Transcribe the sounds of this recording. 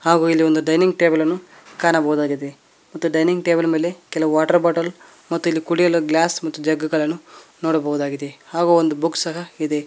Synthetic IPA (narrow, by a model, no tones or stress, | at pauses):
haːɡuːilːiond̪uɖɐjniŋɡʈe̞ːbɐlɐnːu | kaːnɐbɐɦud̪aːɡid̪e̞ | mɐt̪ːuɖɐjniŋɡ̚ʈeːbɐlɐme̞ːle̞kɛlɐʋuʋaːʈɐɾbaːʈɐl | mɐt̪ːuilːikuɽijɐlɐɡlaːsmɐt̪ːud͡ʒɐɡɐɡɐɭɐnːunoːɽɐbɐɦud̪aːɡid̪e̞haːɡuːond̪ubuksɐɦɐid̪e̞